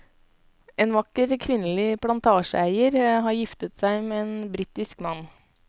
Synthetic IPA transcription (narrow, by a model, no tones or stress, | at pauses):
ʔeːnʋɑkəɾkʰʋɪnəlɪpʰlɑnt̪ʰɑːʂəæɪəɾhɑːɾjɪft̪ət̪sæɪmɛːeːnbɾiːt̪ɪskmɑnː